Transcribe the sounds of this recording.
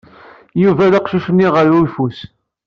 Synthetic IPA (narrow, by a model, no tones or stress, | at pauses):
juvælaqʃuʃənːiʁəɾifus